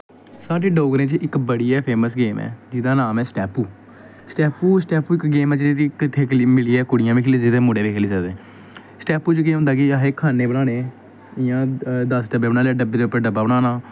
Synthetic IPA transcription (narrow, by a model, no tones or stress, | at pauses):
saːʈeːɖoːɡɾẽːt͡ʃɪkbəɽiːɛːpʰeːməsɡeːmɛ̰ːd͡ʒɪd̪aːnaːmɛːsʈɛːpuː | sʈɛːpuːsʈɛːpuːɪkɡeːmɛːt͡ʃːikɪt̪ʰːeːkimɪliːɛːkʊɽɪjãːmiːkʰːliɪd̪eːmʊɽeːʋeːkʰeːliːsəkd̪ẽː | sʈɛːpuːt͡ʃkeːõnd̪aːkiaːɦeːkʰaːneːbənaːneː | ɪjãːd̪əsɖəbeːbəɳ̃aːleɛːɖəbeːd̪eːʊpːeːɖəbːaːbəɽaːnaː